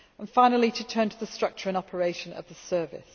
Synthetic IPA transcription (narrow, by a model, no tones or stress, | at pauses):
ə̃nfãɪ̃nəl̩ˠitʰətʰɜ̃ːntʰəðəstɹ̥ʌk̚t͡ʃəɹə̃nɒpʰəɹeɪʃə̃nə̰vðəsɜːvɪ̰s